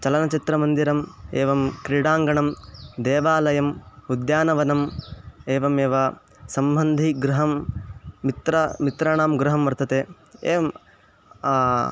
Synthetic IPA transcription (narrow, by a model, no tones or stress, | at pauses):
t͡ʃɐlɐnɐt͡ʃit̪ɾɐmɐnd̪iɾɐmeːʋɐmkɾiɽaːŋɡɐɳɐmd̪eːʋaːlɐjɐmud̪jaːnɐʋɐnɐmeːʋɐmeːʋɐ | sɐmbʱɐnd̪ʱiɡɾuɦɐmː | it̪ɾɐmit̪ɾaːɳaːmɡɾuɦɐmʋɐɾt̪ɐt̪eː | eːʋɐmː